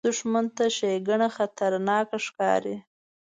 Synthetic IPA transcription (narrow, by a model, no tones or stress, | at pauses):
d̪ʊʂmant̪aʃejɡaɳaxat̪aɾnɑkaʂkɑ̰ɾi